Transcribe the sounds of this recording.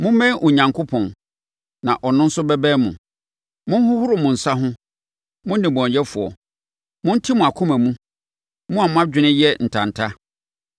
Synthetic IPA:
mʊ̃˦mɛ̃˦ʔʊ˨ɲã˨ŋkʰo˦pʰɔ̃˨n | nã˨ʔɔ˨nʊ̃˦n̩˦sʊ˦bɛ˦bɛː˦mʊ̃˨ | mʊ̃˦n˦hʊ˦hʊ˦ɾʊ˨mʊ̃˨n̩˨sa˦ɦʊ̃˦ | mʊ̃˦n˦nɪ̃˨bɔ̃˨ɲ˨ɛ˦fʊ˨ɔ̰˨ | mʊ̃˦n̩˦tʰi˦mʊ̃˨a˨kʰʊ̃˦mæ̃˨mũ˦ | mʊ̃˦a˨mʊ̃˦a˦d͡ʑᶣɪ˦nɪ̃˦jɛ˦n̩˨tʰã˨n̩˨tʰa˦

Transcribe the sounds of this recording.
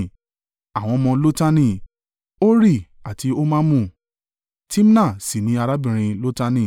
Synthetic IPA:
a˨w̃ɔ̃˧mɔ̃˧lo˦ta˦nĩ˦˨ | o˦ɾi˦˨a˨ti˧o˦mãː˦mũ˦˨ | ti˦m˦nã˦˨si˨nĩ˨˦a˧ɾa˦bĩ˨ɾ̃ĩ˧lo˦ta˦nĩ˦˨

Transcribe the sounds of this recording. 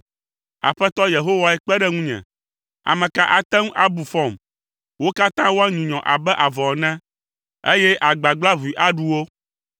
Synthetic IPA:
a̰˨ɸɛ˦t̪ɔ˦je˨ɦo˦wa˨ɛ˦k͡pɛ˦ɖɛ˦ŋũ˦ɲɛ̰̃˨ | a̰˨mɛ̃˨ka˦ʔa˨t̪ɛ˦ŋ˦ʔa˦˨bu˨fɔ˦˨m | wo˦ka˦t̪ã˦wo˦a˦ɲũ˨ɲɔ̃˨ʔa̰˨bɛ˦ʔa˨vɔ˨nɛ̃˦ | ḛ˦jɛ˦ʔa˨ɡ͡ba˨ɡ͡bla˦vi˨ʔa˦ɖu˦wo˦

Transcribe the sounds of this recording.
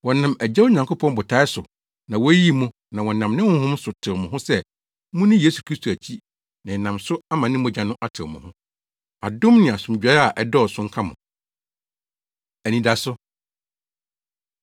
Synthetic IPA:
wɔ̃˨nã˨mæ˨d͡ʑɛ˦wo˦ɲã˨ŋkʰo˦pʰɔ̃˦n˦bʊ˨tʰa˦ɪ˦sʊ˨ | nã˨wɔ˦ji˦mũ˦ | nã˨wɔ̃˨nã˨mnɪ̃˦wʊ̃˦hʊ̃˦sʊ˨tʰɪ˨ɾmʊ̃˨ɦʊ̃˦sɛ˦ | mũ˦nɪ̃˦jeː˦su˨kʰɾi˦stʰo˨æ˨t͡ɕʰi˦ | nã˨ɛ˨nã˨msʊ˦a˦mã˨nɪ̃˦mo˨d͡ʑã˨nʊ̃˦ʔa˦tʰɪ˨mʊ̃˨hʊ̃˦ | a˨dʊ̃˦mnɪ̃˨a˨sʊ̃˨md͡ʑᶣɛ˨˦a˨ʔɛ˦dɔ˦˨sʊ̃˦ŋ̩˦kʰa˦mʊ̃˨ | æ˨nĩ˨da˨sʊ˦

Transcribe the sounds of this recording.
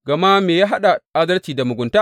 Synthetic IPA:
ɡ̥ɐ˨ma˦meː˨jaː˦ɦa˦ɗa˨ʔa˦dɐ˦lt͡ʃiː˨da˨mʊ˨ɡʷʊ˨nta˦

